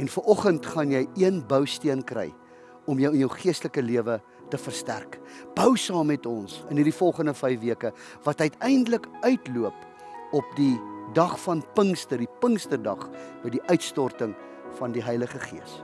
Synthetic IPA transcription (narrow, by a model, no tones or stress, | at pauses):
ɛnfəɾɔχəntχɐnjɛjiənbəwstiənkrɛ̰j | ɔmjəwənjəwχiəstləkəliəvə | təfərstæ̰rk | b̥əwsɑːmːɛtɔnsənirdifɔlˠχəndəfɛjfviəkə | vɐtœɥtɛjndələkœɥtluəp | ɔp̚didɐχfɐnpəŋstərdipəŋstərdɐχbəjdiʔœɥtstɔrtəŋ | fɐndiɦɐjləχəχiəs